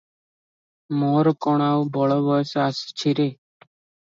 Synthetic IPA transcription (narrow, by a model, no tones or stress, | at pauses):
moːɾkɔɽ̃aːwbʱɔɭoːbəsaːst͡ʃʰiɾeː